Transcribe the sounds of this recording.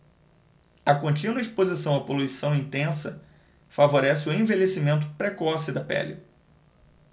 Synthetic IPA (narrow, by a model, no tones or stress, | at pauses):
ɐkõnt͡ʃĩnɐispozisɐ̃w̃ɐpoluisɐ̃w̃ĩnt̪ẽsɐ | favoɾɛsɪʊẽvelesimẽnt̪̬ʊ̥pɾekɔsɪd̪ɐpɛ̰li